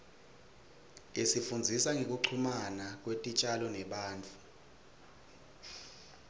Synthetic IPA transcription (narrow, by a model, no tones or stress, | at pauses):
isifund͡zʱisaŋʱek̬ʼuǀʰumanak̬ʼwetʼit͡ʃʼalɔnɛɓaːnt͡fʰʼu